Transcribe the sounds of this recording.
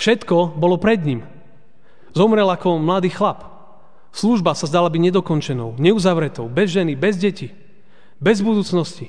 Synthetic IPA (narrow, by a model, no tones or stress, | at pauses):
fʃɛt̪kɔbɔlɔpɾɛd̪ɲim | zɔmɾɛlakɔmlad̪iːxlap | sluʒbasazd̪alabiɟɲɛd̪ɔkɔnt͡ʃɛnɔʊɲɛuzaʋɾɛt̪ɔʊbɛzʒɛnibɛzɟɛci | bɛzbud̪uːt͡snɔsci